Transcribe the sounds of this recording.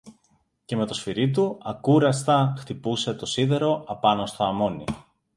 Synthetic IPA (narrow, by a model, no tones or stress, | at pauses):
ce̞me̞t̪o̞sfiɾit̪uɐkuɾɐst̪ɐxt̪ipuse̞t̪o̞siðe̞ɾo̞ʔɐpɐnost̪o̞ɐmo̞nḭ